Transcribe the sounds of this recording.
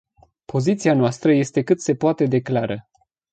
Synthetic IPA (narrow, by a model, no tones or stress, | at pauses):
pʰo̞zit̪sianoast̪ɾəje̞st̪e̞kɨt̪se̞poat̪e̞d̪e̞klaɾə